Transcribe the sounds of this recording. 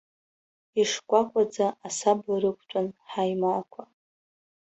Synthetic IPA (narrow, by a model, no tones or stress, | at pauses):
iʂkʷʼakʷʼad͡zaːsabaɾɨkʷʰt͡ʃʷʼʊnħajmakʷʰa